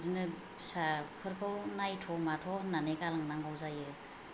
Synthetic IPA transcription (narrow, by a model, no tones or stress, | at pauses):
zinɯ | sapʰɯɾkʰɯwnajtʰɔmatʰɔnanekalaŋnaŋɡawzajɯ